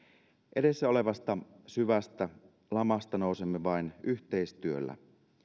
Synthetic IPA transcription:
ʔeɾe̞sːæo̞le̞ʋɑst̪ɑ | syʋæst̪æ | lɑmɑst̪ɑnoˑusemːeʋɑinyht̪eist̪yølːæ̰

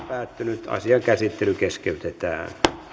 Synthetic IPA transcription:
pæːt̪ːynyt̪ɑ̰siɑŋkæsit̪ːelykeskeyt̪et̪æ̰ːn

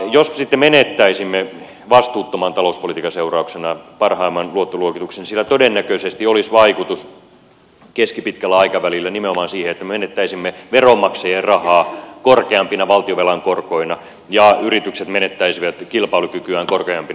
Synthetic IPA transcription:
jossit̪ːemenet̪ːæisimːe | ʋɑst̪uːt̪ːomɑnt̪ɑlouspolit̪iːkɑseurɑuksenɑpɑrhɑimːɑnluot̪ːoluokit̪uksensilæt̪odenːækøsest̪iolisʋɑikut̪us | keskipit̪kælːæɑikɑʋælilːænimeomɑːnsiːheet̪ːæmemenet̪ːæisimːeʋeromːɑksejerrɑhɑːkorkeɑmpinɑʋɑlt̪ioʋelɑŋkorkoinɑ | jɑyrit̪ykset̪menet̪ːæisiʋæt̪kilpɑilukykyæːŋkorkeɑmpin

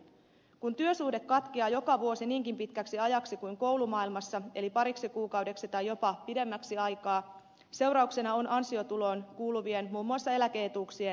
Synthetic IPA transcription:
kunt̪yøsuːhde̞kːɑt̪k̟iɑːjo̞kɑʋuo̞siniːŋkimpit̪kæksiɑjɑksikuiŋko̞uwlumɑilmɑsːɑe̞lipɑɾiksikuːkɑwdeksit̪ɑjːo̞pɑpide̞mːæksiɑjkɑː | se̞wɾɑukse̞nɑo̞nʔɑnsio̞t̪ulo̞ːnkuːluʋie̞nmuːmːuɑsːɑe̞læke̞et̪uːksie

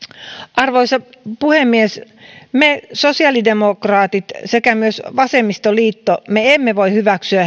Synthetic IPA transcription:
ʔɑrʋoisɑpuhemːies | mesosiɑlidemokrɑːt̪it̪sekæmyøsʋɑsemːist̪oliːt̪ːomeemːeʋoihyʋæksyæ

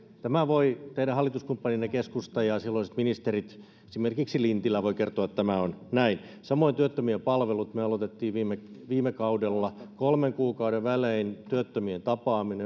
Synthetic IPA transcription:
t̪æmæʋoit̪eiɾæhɑlːˑit̪uskumpːɑninːekeskust̪ɑjɑsilːoisit̪minist̪erit̪ | esimerkiksilint̪ilːæʋoikert̪oɑt̪t̪æmæonnæin | sɑmoint̪yøt̪ːømiempɑlʋelut̪møɑlot̪et̪ːiːʋʋiːmeʋiːmekɑudelːɑkolmeŋkuːkɑudeʋʋæleint̪yøt̪ːømient̪ɑpɑːmine

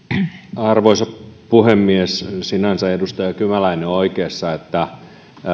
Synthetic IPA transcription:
ɑrʋoisɑppuhemːiessinænsæedust̪ɑjɑkymælæineoikeːsːɑet̪ːæ

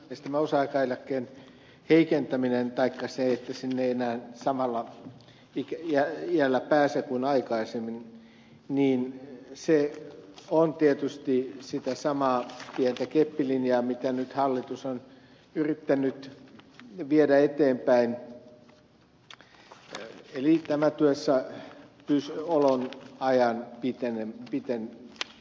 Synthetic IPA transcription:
st̪æmæosɑɑikɑːelækːeːn | heikent̪æminent̪ɑikːɑseet̪ːæsinːeienæːnsɑmɑlːɑ | ikæiælːæpæːsekuinɑikɑisemːin | niːnse | ont̪iet̪yst̪isit̪æsɑmɑːpient̪ækepːilinjɑːmit̪ænyt̪hɑlːit̪uson | yrit̪ːænːˑyt̪ | ʋiedæet̪eːmpæin | elit̪æmæt̪yøsːɑpysolonɑjɑnpit̪enepit̪en

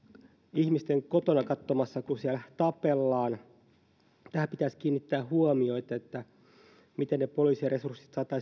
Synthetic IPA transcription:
ihmist̪eŋkot̪onɑkɑt̪ːomɑsːɑkusiælt̪ɑpelːɑːn | t̪æhæpit̪æskiːnːit̪ːæːhuomioit̪ɑet̪ːæ | mit̪ennepoliːsiresursi̥t̪sɑːt̪ːˑɑ

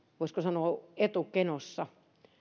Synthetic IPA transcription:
ʋoiskosɑnoːet̪ukenosːɑ

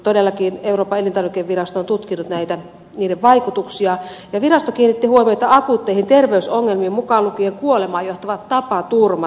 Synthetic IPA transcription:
t̪odelːɑkiːneuroːpːɑelint̪ɑrʋikeʋːirɑst̪ont̪ut̪kinut̪næit̪æ | niːdeʋʋɑikut̪uksiɑ | jɑʋirɑst̪okiːnːit̪ːihuomiot̪ɑɑkut̪ːeihint̪erʋeysoŋːelmiːmmukɑːlukieŋkuolemɑːjoht̪ɑʋɑt̪t̪ɑpɑt̪urmɑ

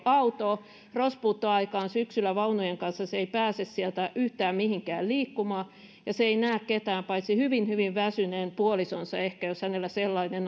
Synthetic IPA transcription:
ɑut̪o | rospuːt̪ːoɑikɑːnsyksylːˑæʋɑunujeŋkɑnsːɑseeipæːsessielt̪æʔyht̪æːmmihiŋkæ̰ːlliːkːumɑː | jɑseeinæːkket̪æːmpɑit̪sihyʋinhyʋiʋʋæsyneːnpuolisonsɑehkæjoshænelːæselːɑinen

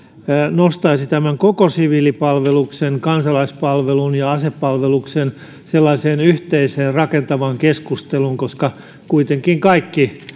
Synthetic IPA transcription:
nost̪ɑisit̪æmæŋkokosiʋiːlipɑlʋeluksenkɑnsɑlɑispɑlʋelunjɑɑsepːɑlʋeluksen | selːɑiseːnyht̪eiseːnrɑkent̪ɑʋɑŋkeskust̪eluŋkoskɑ | kuit̪eŋkiŋkɑikːi

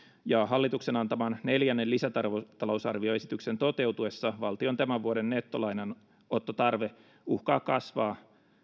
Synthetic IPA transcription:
jɑɦɑlːit̪ukse̞nɑnt̪ɑmɑnne̞ljænːelisæt̪ɑrʋot̪ɑlo̞wsɑ̰rʋio̞e̞sit̪ykse̞nt̪o̞t̪e̞wt̪ue̞sːɑʋɑlt̪io̞nt̪æmæʋuodenːet̪ːo̞lɑjnen | o̞t̪ːot̪ɑrʋe̞ | uhkɑːkɑsʋɑː

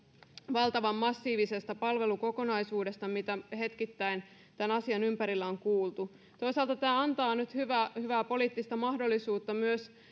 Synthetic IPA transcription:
ʋɑlt̪ɑʋɑmːɑsːiːʋise̞st̪ɑpɑlʋe̞luko̞ko̞nɑisuːde̞st̪ɑmit̪æhe̞t̪kit̪ːæin | t̪ænɑsiɑnympæɾilːæoŋkuːlt̪u | t̪o̞isɑlt̪ɑt̪æːɑnt̪ɑːnyt̪hyʋæhyʋæːpo̞liːt̪ːist̪ɑmɑhdo̞lːisuːt̪ːɑmyøs

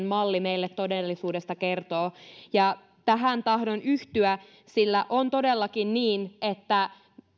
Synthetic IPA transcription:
mmɑlːimeilːet̪ːo̞delːisuːdest̪ɑkert̪oːjɑ | t̪æɦænt̪ɑhdonyht̪yæ | silːæʔont̪odelːɑkinniːnet̪ːæ

